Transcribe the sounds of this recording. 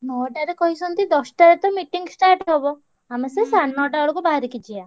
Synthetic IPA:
nɔʈaɾekɔɦisʰɔnt̪id̪ɔsʈaɾet̪ɔmiʈiŋɡsʈaɾʈɦɔbɔ | amesesanːɔʈaɔɽɔkubaɦaɾikid͡ʒia

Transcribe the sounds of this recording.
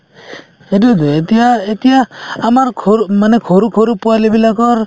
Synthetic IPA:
hedud̪uet̪ijaet̪ijaːmaɾkʰomanɛkʰoɾukʰoɾupualibilakɔɾ

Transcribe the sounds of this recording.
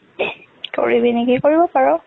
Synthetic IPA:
ko̰ɹibinikikoɹibɔpaɹɔ

